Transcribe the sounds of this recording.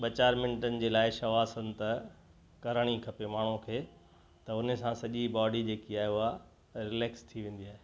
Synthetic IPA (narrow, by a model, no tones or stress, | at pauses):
ɓɐt͡ɕaːɾmɪ̃ɳʈənɪ̆d͡ʑeːlaːɪʃɐʋaːsən̆t̪ɐ | kɐɾəɽ̃ikʰɐpemaːɳ̤ũkʰeː | t̪ɐʊnsãsɐʄibɔːɖid͡ʑeːkiaːɦeʊɦa | ɾɪleːkst̪ʰiʋẽːn̆d̪iaːɦe